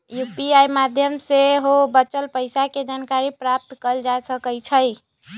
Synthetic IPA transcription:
jupiajmad̪ʱjəmseɦobət͡ʃəlpəjsaked͡ʒankaɾipɾap̚t̪kəld͡ʒaesəkəlt͡ʃʰəj

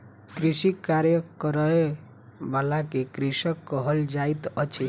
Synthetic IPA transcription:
kɾisikaɾjəkəɾəe | balakekɾisəkːəɦəld͡ʒait̪ʌt͡ʃʰi

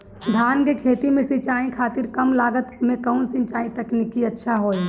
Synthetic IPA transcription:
d̪ʱaːnkekʰeːt̪imẽsɪt͡ʃaːĩkʰaːt̪ɪɾkɐmlaːɡət̪mẽkəunsɪ̃nt͡ʃaːĩt̪ɐknikiətːʃʰaɦoːi

